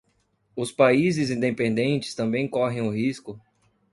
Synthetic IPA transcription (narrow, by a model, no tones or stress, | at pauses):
ʊspaizɪzĩnd̪epẽnd̪ẽnt͡ʃɪ̥st̪ɐ̃mbẽj̃kɔɦẽj̃ʊɦiskʊ